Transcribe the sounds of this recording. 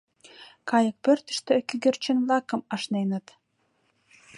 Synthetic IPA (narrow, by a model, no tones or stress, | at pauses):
kɑjə̆k̚pørt̪ə̥̆ʃt̪ø̆kyɡĕrt͡ɕə̆nvlɑkɤ̆mɑʃnenə̆t̪